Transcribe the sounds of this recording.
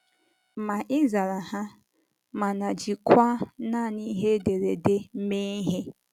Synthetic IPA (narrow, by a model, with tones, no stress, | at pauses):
ma˨ʔɪ˦za˨ɾa˨ha˦ | ma˨na˨d͡ʒi˨kʰwa˦na˦˨ni˦ɦe˦de˨ɾe˨de˦m̩˦me˦i˦ɦe˦